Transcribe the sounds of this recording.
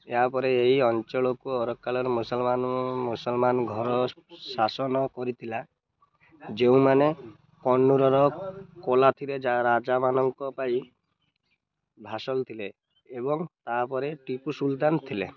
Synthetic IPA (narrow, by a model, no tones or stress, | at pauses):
eɦapɔɾeeɦiɔnt͡ʃɔɭɔkuɔɾɔkːalɔɾemusɔlmanmusɔlmanɡʱɔɾɔ | sasɔnɔkɔɾit̪ʰila | d͡ʒeũmane | kɔɳːuɾɔɾɔkolat̪ʰiɾed͡ʒaɾad͡ʒamanɔŋkɔpaj | bʱasɔlt̪ʰileː | bɔŋt̪apɔɾeʈipusult̪ant̪ʰile